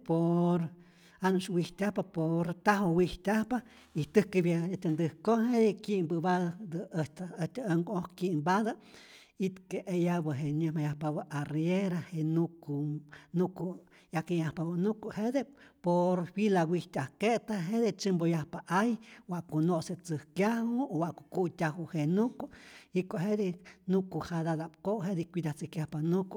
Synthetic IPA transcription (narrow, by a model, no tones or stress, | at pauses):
poɾ | anuʃwiht̪ʲahpapoɾt̪aɦowiht̪ʲahpa | it̪ɨkɨbjaat̪ʲand̪ɨhkohedekiʔmbɨbad̪ad̪ɨt̪aət̪ʲaaŋɡohkiʔmbad̪a | it̪keʔejabəɦeɲɨhmajahpabaʔarjeɾahenukunuku | jakijahpabanukuʔhed̪epoɾfilawiht̪ʲahket̪aɦed̪et͡ʃɨmbojahpaʔajwaʔkunoʔset͡sɨhkjahuowaʔkokut̪ʲaɦuhenukuikoʔɦed̪inukuhad̪ad̪apkoʔɦed̪ikʷid̪at͡sɨkjahpanuku